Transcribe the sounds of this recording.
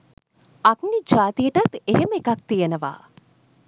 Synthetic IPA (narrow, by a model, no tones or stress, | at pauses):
aknid͡ʒaːt̪ijəʈat̪eɦeməekak̚t̪ijənəʋa̰ː